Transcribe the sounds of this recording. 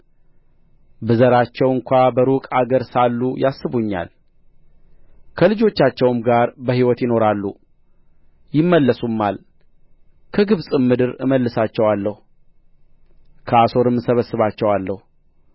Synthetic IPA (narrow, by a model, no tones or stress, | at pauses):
bɨzəɾat͡ʃːɛwɨŋkʷabəɾukʼaɡəɾsalːujasːɨβuɲːa̰l | kʰəlɨd͡ʒo̞t͡ʃːat͡ʃːɛwɨmɡaɾbəhiwɔt̪jɪno̞ɾalːu | jɪmːəlːəsumːal | kʰəɡɨβsʼɨmːɨd̪ɨɾɨ̰məlːɨsat͡ʃːɛwalːəhu | kʰəaso̞ɾɨmːɨsəβəsːɨβat͡ʃːɛwalːəhu